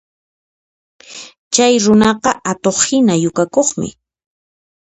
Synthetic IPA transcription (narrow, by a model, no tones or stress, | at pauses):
t͡ʃajɾʊnɑqɑʔat̪oχhɪnajʊkakoχmɪ̰